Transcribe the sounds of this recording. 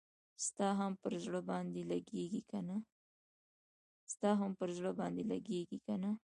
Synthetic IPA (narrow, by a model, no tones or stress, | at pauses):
st̪ɑɦampəɾzɽəbɑnd̪elaɡeɡikana | st̪ɑɦampəɾzɽəbɑnd̪ela̰ɡeɡikana